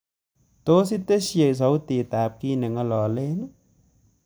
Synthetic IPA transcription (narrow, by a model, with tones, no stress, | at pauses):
t̪oː˧˦s̬i˦t̪e˦si˨˧˩ə˨ʔs̬o˨˦wt̪i˨˩t̪aː˨˦p̚ki˧nɨ˨˩ŋa˧lɔ˨˩le˧˦n˦